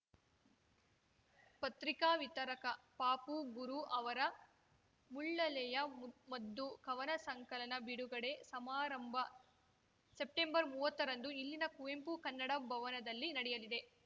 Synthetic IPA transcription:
pɐt̪ɾikaːʋit̪ɐɾɐkɐpaːpuɡuɾuʔɐʋɐɾɐ | muɭːɐlɛjɐmɐd̪ːukɐʋɐnɐsɐŋkɐlɐnɐbiɽuɡɐɽe̞sɐmaːɾɐmbʱɐ | sep̚ʈembɐɾmuːʋɐt̪ːɐɾɐnd̪uilːinɐkuʋempukɐnːɐɽɐbʱɐʋɐnɐd̪ɐlːinɐɽɛjɐlid̪e̞

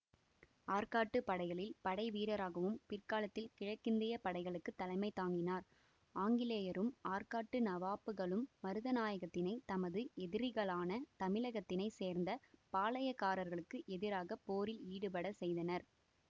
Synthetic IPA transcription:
aːɾkaːʈːɯpɐɽɐɪɣɐɭɪlpɐɽɐɪʋiːɾɐɾaːɣɐʋɯmpɪrkaːlɐt̪ːɪlkɪɻɐkːɪnd̪ɐjɐpɐɽɐɪɣɐɭɯkːɯt̪ːɐlɐɪmɐɪt̪ːaːŋɡɪnaːɾ | aːŋɡɪleːjɐɾɯmaːɾkaːʈːɯnɐʋaːpɯɣɐɭɯmːɐɾɯðɐnaːjɐɣɐt̪ːɪnɐɪt̪ɐmɐðɯɛðɪɾɪɣɐɭaːnɐt̪ɐmɪɭɐɣɐt̪ːɪnɐɪseːɾnd̪ɐpaːlɐjɐkːaːɾɐɾɣɐɭɯkːɯʔɛðɪɾaːɣɐpoːɾɪliːɽɯpɐɽɐsɛjðɐnɐɾ

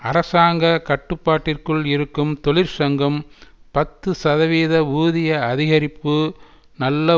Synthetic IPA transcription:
ɐɾɐsaːŋɡɐkɐʈːɯpːaːʈːɪrkɯɭɪɾɯkːɯmt̪ɔɭɪɾsɐŋɡɐmpɐt̪ːɯsɐðɐʋiːðɐuːðɪjɐɐðɪɣɐɾɪpːɯ | nɐlːɐ

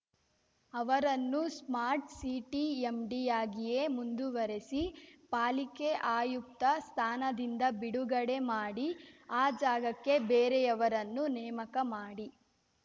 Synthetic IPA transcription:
ɐʋɐɾɐnːusmaːɾʈsiːʈiemɖijaːɡije̞mund̪uʋɐɾesipaːlike̞ʔaːjuk̚t̪ɐst̪ʰaːnɐd̪ind̪ɐbiɽuɡɐɽe̞maːɽiaːd͡ʒaːɡɐkːe̞beːɾejɐʋɐɾɐnːunɛːmɐkɐmaːɽi

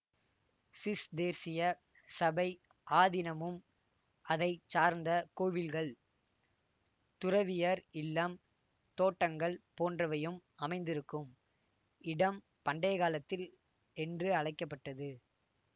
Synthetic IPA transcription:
sɪsd̪eːɾsɪjɐ | sɐbɐɪ | ʔaːðɪnɐmɯm | ɐðɐɪt͡ʃaːɾnd̪ɐkoːʋɪlɣɐɭ | t̪ʊrɐʋɪjɐɾɪlːɐm | t̪oːʈːɐŋɡɐɭpoːndrɐʋɐjɯmɐmɐɪnd̪ɪɾɯkːɯm | ɪɽɐm | pɐɳɖɐːɣaːlɐt̪ːɪl | ɛndrɯɐɻɐɪkːɐpːɐʈːɐðɯ

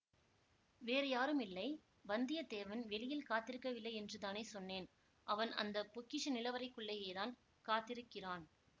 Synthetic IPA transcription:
ʋeːɾɐjaːɾɯmɪlːɐɪ | bɐnd̪ɪjɐd̪eːʋɐnʋɛɭɪjɪlkaːt̪ːɪɾɯkːɐʋɪlːɐɪɛndrɯt̪aːneːsɔnːeːn | ʔɐʋɐnɐ̰nd̪ɐpʊkːɪʂɐnɪlɐʋɐɾɐɪkːɯɭːeːeːɾaːn | kaːt̪ːɪɾɯkːɪraːn

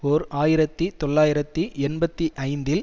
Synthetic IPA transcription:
ɔɾaːjɪɾɐt̪ːit̪ɔɭːaːjɪɾɐt̪ːiɛnbɐt̪ːiʔɐɪnd̪ɪl

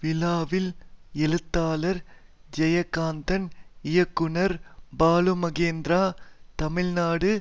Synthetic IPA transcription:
ʋɪlaːʋɪlɛlɯt̪ːaːlɐɾ | d͡ʒɛjɐkːaːnd̪ɐnɪjɐkːʊnɐɾbaːlumɐɡeːnd̪ɾaːt̪ɐmɪlnaːɽɯ

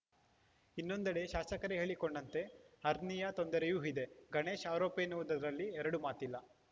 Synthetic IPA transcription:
inːo̞nd̪ɐɽe̞ʃaːsɐkɐɾeɦe̞ːɭiko̞ɳɖɐnt̪e̞hɐɾnijɐt̪o̞nd̪ɐɾejuːɦid̪e̞ɡɐɳe̞ːʃaːɾoːpenuʋud̪ɐɐɾɐlːiɛɾɐɽumaːt̪ilːɐ

